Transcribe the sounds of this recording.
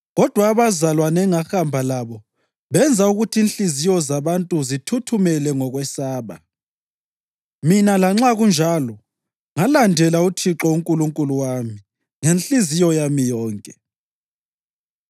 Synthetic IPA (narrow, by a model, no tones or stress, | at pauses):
ɣɔd̥ʱwaːβazalwanɛŋaxambʱalaβɔ | βɛnd͡zʱauɣutʰiːnɬizijɔzaβantʼuzitʰutʰumɛlɛŋɔɣwɛsaːβa | minalaŋ͡ǁaɣund͡ʒʱalɔ | ŋalandʱɛlautʰiǁɔuŋkʼuluŋkʼuluwami | ŋenɬizijɔjamijɔːŋkʼɛ